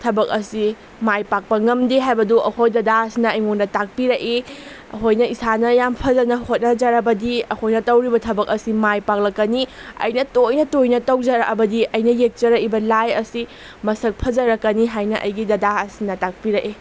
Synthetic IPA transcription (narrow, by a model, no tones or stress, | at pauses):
tʰɐbɐk̚ɐsi | majpak̚pɐŋɐmdeɦajbɐduʔɐhojdɐdaɐsinɐːjŋoŋdɐtak̚piɾɐʔe | ɐ̰ɦojnɐisanɐjampʰɐzɐnɐhot̚nɐd͡ʒɐɾɐbɐdiɐhojnɐtɐwɾibɐtʰɐbɐkɐsimajpak̚lɐkːɐniɐ̰jnɐtojnɐtojnɐtɐwd͡ʒɐɾɐɐbɐdiɐjnɐjek̚t͡ʃɐɾɐkibɐlajɐsi | mɐsɐk̚pʰɐd͡ʒɐɾɐkːɐniɦajnɐʔɐ̰jɡidɐdaɐsinɐtak̚piɾɐkʔe